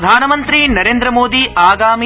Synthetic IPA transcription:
d̪ʱaːnɐmɐnt̪ɾinɐɾeːnd̪ɾɐmoːd̪iʔaːɡaːmi

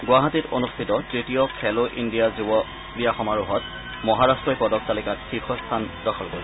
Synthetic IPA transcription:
ɡwaɦatito̰nustʰitɔtɹitijɔkʰɛloʔindijazubɔ | kɹijaxɔmaɹuɦɔt̚ | mɔɦaɹastɹɔjpɔdɔk̚talikatxixʰɔst̪ʰandɔxʰɔlkoɹi

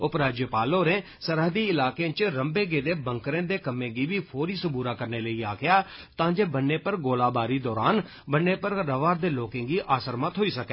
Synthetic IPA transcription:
ʊpɾaːd͡ʒəpaːloːɾẽː | səɾəɦd̪iːɪlaːkeãːt͡ʃɾəmbeːɡeːd̪eːbəŋkɾẽːd̪eːkəmẽːɡiːʋiːpʰoːɾiːsəbuːɾaːkəɾneːləiːaːkʰjaː | t̪ãːd͡ʒeːbənːẽːpəɾɡoːlaːbaːɾiːd̪ɔːɾaːn | bənːeːpəɾːəʋaːɾd̪eːloːkɪ̃ŋɡiːʔaːsəɾmət̪ɦoːiːsəkɛː

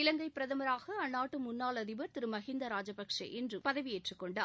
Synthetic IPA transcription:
ɪlɐŋɡɐɪpːɪɾɐðɐmɐɾaːɣɐɐnːaːʈːɯmʊnːaːlɐðɪʋɐɾt̪ɪɾɯmɐɣɪnd̪ɐɾaːd͡ʒɐpɐkʂɐ̰ʔɛndrɯpɐðɐʋijeːʈrɯkːɔɳɖaː

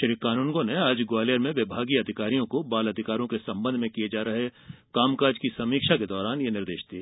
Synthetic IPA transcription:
ʃɐɾikaːnuːnɡõneaːd͡ʒɡoaːleəɾmẽʋɪbʱaːɡiɐd̪ʱɪkaːɾijõkobaːlɐd̪ʱɪkaːɾõkesɐ̃mbə̃nd̪ʱmẽkijed͡ʒaːɾɐɦekaːmkaːd͡ʒkisɐmiːkʃaked̪ɔːɾaːnjenɪɾd̪eːʃd̪iː

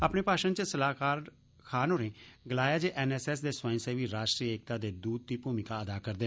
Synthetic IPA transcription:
aːpneːpaːʃənt͡ʃəsəlaːkaːɾ | kʰaːnɦoːɾẽːɡəlaːjaːd͡ʒeːʔɛːnɛːsɛːsd̪eːswãːɪ̃seːʋiːɾaːʃʈɾiːeːk̚t̪aːd̪eːd̪uːd̪̚t̪iːpuːmɪkaːəd̪aːkəɾd̪eː

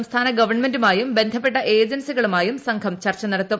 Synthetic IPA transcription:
mst̪ʰaːnɐɡɐʋɐrɳme̞ndumaːjumbe̞nd̪ʱɐp̬ːe̞ʈːɐʔe̞ːd͡ʑɐnsiɣɐɭumaːjumsɐŋkʰɐmt͡ɕɐrt͡ɕːɐnɐɽɐt̪ːum

